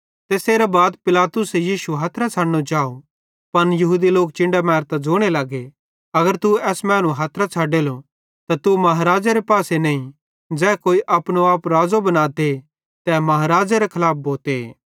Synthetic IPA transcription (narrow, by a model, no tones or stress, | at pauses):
t̪eːseːɾabaːd̪pɪlaːt̪ʊsejiːʃuɦɐːt̪ʰɾat͡ʃʰaːɽñot͡ʃaːo | pɐnjɐɦuːd̪iloːk̚t͡ʃɪ̃ɳɖamɛːɾt̪ad͡ʒoːɽ̃elɐɡe | ɐɡəɾt̪uɛːsmɛ̃ːñũɦaːt̪ʰɾat͡ʃʰaːɖelo | t̪at̪umɐɦaɾaːd͡ʒaɾepaːsenɐːĩ | d͡ʒɛːkoːiʔɐpɽ̃oaːpɾaːd͡zobɐnaːt̪e | t̪ɛːmɐɦaɾaːd͡ʒaɾekʰɐlaːp̚bʱoːt̪eḛː